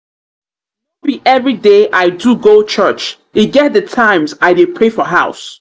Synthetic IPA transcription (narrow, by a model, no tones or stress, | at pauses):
biʔɛvɹideʔaɪduɡot͡ʃʰɜt͡ʃ | ɪɡɛt̚ðətʰãɪ̃mzaɪdɪpʰɹefɔɦaʊs